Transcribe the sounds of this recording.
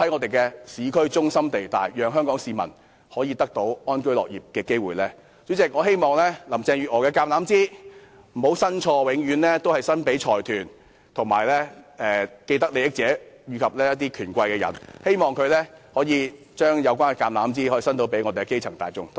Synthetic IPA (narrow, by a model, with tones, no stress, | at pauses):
ɐ˨˥jŋɔ˨˧t̪e˨jkɛ˧siː˨˧kʰɵ˥ɥt͡sʊ˥ŋsɐ˥mt̪e˨jt̪aː˨˩jjœː˨˧ŋɦœː˥ŋkɔː˨˥ŋsiː˨˧mɐ̰˨˩n | hɔː˨˥jiː˨˧t̪ɐ˥k̚t̪o˨˥wɔː˥nkɵ˥lɔ̰ː˨k̚jiː˨˩p̚kɛː˧ke˥jwuː˨˩jlɛː˥ | t͡syː˨˥t͡sɪ˨k̚ŋɔː˨˧ɦe˥jmɔː˨˩ŋlɛː˥lɐ˨˩mt͡sɛː˧ŋjyː˨t̚ɔː˨˩kɛː˧kaː˧mnlaː˨˥mt͡siː˥ | m̩˨˩ho˨˥wsɐ˥nt͡ʃʰɔː˧wɪ˨˥ŋjyː˨˥nlɛː˥t̪o˥whɐ˨jsɐ˥npe˨˥jt͡ʃʰɔː˨˩jt̪ʰyː˨˩n | t̪ʰʊ˨˩ŋma̰ː˨jlɛː˥ɛː˨ke˧jt̪ɐ˥k̚le˨˧jɪ˥k̚t͡sɛː˨˥jyː˨˧kʰɐ˨p̚lɛː˥jɐ˥t̪̚ːiː˥kʰyː˨˩nkʷɐ˧jkɛː˧jɐ̰˨˩nhe˥jmɔː˨ŋkʰɵ˨˧lɛː˥hɔː˨˥jiː˨˧ | t͡ʃœː˥ŋjɐ˨˧wkʷaː˥nkɛ˨˧kaː˧mlaː˨˥mt͡siː˥hɔ˨˥jiː˨sɐ˥nt̪̬o˨˥wpe˨˥jŋɔ˨˧t̪e˨˩ɡɛ˧ke˥jt͡sʰɐ˨˩ŋt̪aː˨jt͡sʊ̰˥ŋ